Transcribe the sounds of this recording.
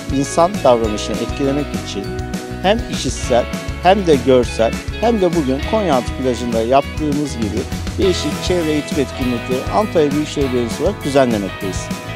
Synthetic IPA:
insand̪avɾanɯʃɯnɯ̰ʔɛt̪cʰilʲe̞mɛcit͡ʃʰin | hæmiʃisːælʲhæmd̪ɛɟø̞ɾsælʲhæmd̪ɛbuɟynkʰo̞njant̪ʰɯ̥pʰilʲaʒɯnd̪ajap̚t̪ʰɯːmɯzɟibid̪̥e̞jiʃic̚t͡ʃʰɛvɾejit̪ʰipɛt̪cʰimʲiclʲiʔant̪ʰajɯbilʲt͡ʃʰevɾeinsoɾak̚d̪ʰyzænlʲe̞mɛc̚t̪ʰejiz̥

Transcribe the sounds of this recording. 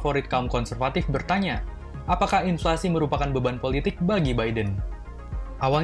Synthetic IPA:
foɾɪt̪̚kaumkɔnsərfat̪ɪfbərt̪aɲa | ʔapakahinflasiməɾupakanbəbanpolit̪ɪk̚baɡibajdən | ʔawal

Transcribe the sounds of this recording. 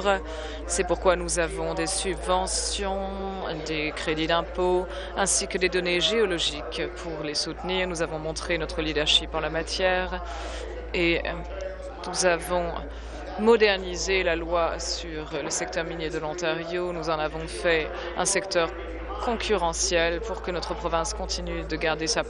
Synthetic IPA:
ʁ | sɛpuʁkwanuzavɔ̃d̪esybvɑ̃sjɔ̃ | d̪ekχed̪id̪ɛ̃po | ɛ̃sikəd̪ed̪ɔneʒeɔlɔʒikpʰuʁlesut̪niːʁnuzavɔ̃mɔ̃t̪χenɔt̪χəlid̪ɛʁʃipɑ̃lamat̪jɛːʁ | e | nuzavɔ̃ | mɔd̪ɛʁnizelalwasyʁləsɛk̚t̪œʁminjed̪əlɑ̃t̪aʁjonuzɑ̃navɔ̃fɛ | ɛ̰̃sɛkt̪œʁ | kɔ̃kʰʲyʁɑ̃sjɛlpuʁkənɔt̪χəpχɔvɛ̃skɔ̃t̪ʰinyd̪əɡaʁd̪esa

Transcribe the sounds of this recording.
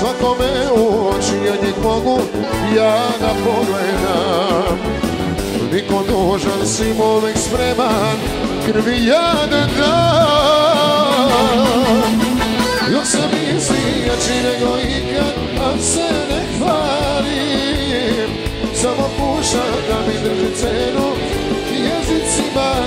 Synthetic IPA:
sʋakomɛuot͡ʃiaɲɛkmoɡu | jaːɡapoɡled̪am | nikod̪oʒansimoʋɛkspɾeman | kɾ̩ʋijad̪ad̪a | josɛmi | sliɡat͡ʃineɡoiɡa | asenexʋali | msamopuːʃamd̪amid̪ɾ̩ʒit̪seːnu | jɛzit̪sima

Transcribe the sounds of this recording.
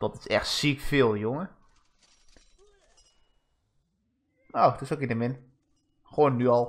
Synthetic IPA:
ʋɔntɪsɛxtsikfɪːlˠjoŋə | nowtɪsokinəmɪn | xʋoːnːyɔlˠ

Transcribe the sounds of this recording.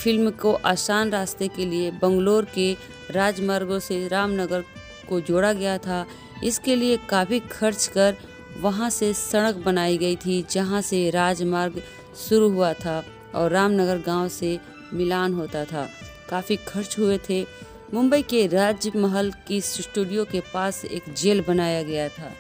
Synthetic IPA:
fɪlmkoʔaːsaːnɾaːst̪ekeliebɐ̃ŋɡloːɾke | ɾaːd͡ʒmaːɾɡõseɾaːmnəɡəɾ | kod͡ʒoːɽaɡɐjat̪ʰa | ɪskeliekaːfikʰɐɾt͡ʃkɐɾ | ʋɐɦãsesɐɽ̃əkbɐnaːiɡɐit̪ʰid͡ʒɐɦãseɾaːd͡ʒmaːɾɡ | ʃʊɾuɦʊat̪ʰa | ɔːɾːaːmnəɡəɾɡãːw̃se | mɪlaːnɦoːt̪at̪ʰa̰ː | kaːfikʰɐɾt͡ʃɦʊet̪ʰe | mʊ̃mbəikeɾaːd͡ʒjəmɐɦəlkisʈuːɖijokepaːsḛːkd͡ʒeːlbɐnaːjaɡɐjat̪ʰa̰ː

